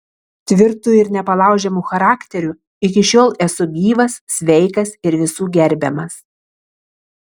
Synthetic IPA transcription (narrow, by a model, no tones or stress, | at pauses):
t̪ʲʋʲɪɾt̪uɪɾnʲɛpɐlˠɑˑʊʒʲɛmuxɐɾɑːkʲt̪ʲɛɾʲu | ɪk̬ʲɪʃʲoːlˠɛsʊɡʲiːʋɐsːʲʋʲɛɪkɐsɪɾʋʲɪsuːɡʲɛɾʲbʲɛmɐs